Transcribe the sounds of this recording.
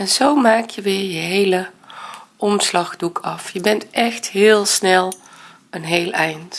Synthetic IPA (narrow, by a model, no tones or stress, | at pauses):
ɛnzowmaːkjəʋɪːɹjəɦejlə | ʔɔmslɑχdukʰɑfjəbɛntʔɛxtɦɪːlˠsnɛlˠ | ənɦejlɛjnt